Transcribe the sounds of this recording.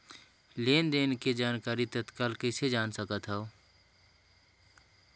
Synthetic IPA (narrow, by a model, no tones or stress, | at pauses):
leːnd̪eːnked͡ʒaːnkaːɾit̪ət̪kaːlkəɪsed͡ʒaːnsəkət̪ɦɛo